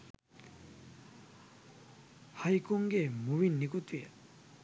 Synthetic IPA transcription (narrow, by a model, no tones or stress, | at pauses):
hajkoŋɡemuβinːikot̪ue